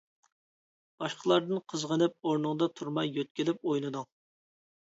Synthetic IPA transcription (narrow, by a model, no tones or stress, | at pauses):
b̥ɑʃqʰəlˠɑɾd̪ɨnqʰəzʁənɨp̚oɾnɨŋd̪ɑt̪ʰuɾmɑjːøt̪̚kʲɪlɪp̚ojlˠɨd̪ʊŋ